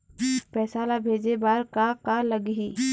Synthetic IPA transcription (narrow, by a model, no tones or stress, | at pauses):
pɛːsaːlabʱeːd͡ʒebaːɾkakaləɡɦi